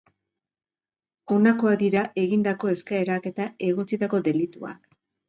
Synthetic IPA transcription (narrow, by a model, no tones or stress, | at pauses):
o̞nako̞ad̪iɾaʔe̞ɣind̪ako̞e̞skaeɾake̞t̪ae̞ɣ̞o̞t͡sit̪ako̞d̪e̞lit̪ua̰k